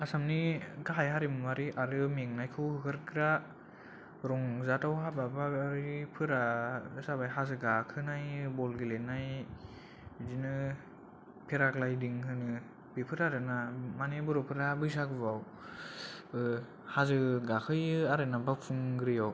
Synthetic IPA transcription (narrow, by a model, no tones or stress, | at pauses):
asamniɡaɦajɦaɾimɯmaɾiʔaɾɯmeŋnajkʰɯwhɯkʰɯɾkɾa | ɾɔŋzatawɦababaɾipʰɯɾasabajɦazɯɡakʰɯnajbɔlɡilenaj | zinɯ | pʰeɾaklajdiŋɦɯnɯ | bipʰɯɾaɾɯnamanebɯɾopʰɯɾabɯjzaɡɯbaw | hazɯɡakʰɯjɯaɾɯnabapʰuŋɡɾɯjaw